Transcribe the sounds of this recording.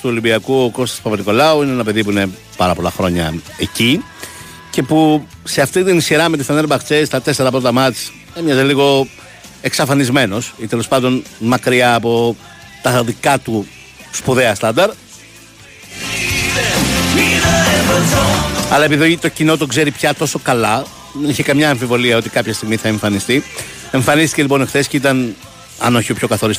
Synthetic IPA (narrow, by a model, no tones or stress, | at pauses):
t̪uo̞limbiɐkuoko̞st̪ɐ̥spɐpɾiko̞lɐuineenɐpe̞ðip̬uine̞ | pɐɾɐpo̞lɐ̰xɾo̞ɲɐ̰ | eci | ce̞puse̞ɐft̪it̪inisçiɾɐmet̪usfɐneɾbɐkt͡se̞st̪ɐt̪e̞se̞ɾɐpɾo̞t̪ɐmɐt͡s | emɲɐzeliɣo̞ | e̞ksɐfɐnizme̞no̞sit̪e̞lo̞spɐnd̪o̞nmɐkɾiɐːpo̞ | t̪ɐðikɐt̪u | spuðe̞ɐst̪ɐnd̪ɐɾ | ɐlɐepiðit̪o̞cino̞t̪o̞ɡze̞ɾipçɐt̪o̞so̞kɐlɐ | ðeniçekɐmɲɐːɱfivo̞liɐo̞t̪ikɐpçɐst̪iɣmiθɐe̞ɱfɐnist̪i | e̞ɱfɐnist̪i̥ce̞lipo̞nexθe̞sceit̪ɐn | ɐ̰no̞çiopço̞kɐθo̞ɾist̪